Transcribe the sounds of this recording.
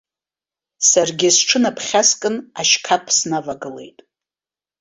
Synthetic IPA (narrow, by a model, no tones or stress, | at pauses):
sarɡʲɪsʈ͡ʂʰɨnapʰχʲaskʼɨnaʃkʰapʰsnavaɡɨle̞̰jtʼ